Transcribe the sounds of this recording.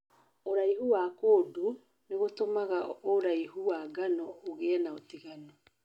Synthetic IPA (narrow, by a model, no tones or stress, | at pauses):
oɾaihuwakoːdu | neɣotomaɣaoɾaiɦuwaɡanɔoɣɛɛnaotiɣanɔ